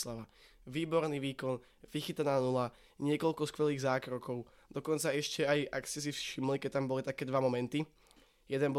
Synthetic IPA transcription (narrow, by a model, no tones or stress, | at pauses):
slaʋa | ʋiːbɔɾniʋiːkɔn | ʋixit̪anaːnula | ɲɪɛkɔlkɔskʋɛliːɣzaːkɾɔkɔʊ | d̪̥ɔkɔnt͡saɛʃcɛajakscɛs̬ifʃimlikɛc̚t̪ambɔlit̪akɛːd̪ʋamɔmɛnt̪i | jɛd̪ɛnbɔ